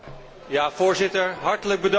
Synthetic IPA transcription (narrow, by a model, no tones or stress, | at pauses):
jaːvʊːɹzɪtəɹɦɑɹtələɡ̚bədɑ